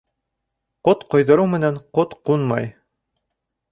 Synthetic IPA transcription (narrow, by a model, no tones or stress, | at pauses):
qot̪qŏjðɤ̆ɾɤwmɘ̆næɴqot̪qunmɑj